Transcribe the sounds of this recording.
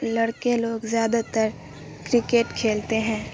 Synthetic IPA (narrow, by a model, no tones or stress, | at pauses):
lɐɽkẽloːɡzjaːd̪at̪əɾ | kɾɪkeːʈkʰeːlt̪eɦɛ̃ː